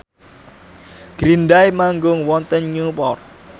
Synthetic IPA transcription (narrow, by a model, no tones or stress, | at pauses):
ɡ̥ɾindajmaŋɡʊŋwɔnt̪ənɲupɔr̚